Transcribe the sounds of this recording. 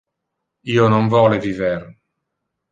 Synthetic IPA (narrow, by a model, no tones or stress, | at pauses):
iːonoɱvɔːleviver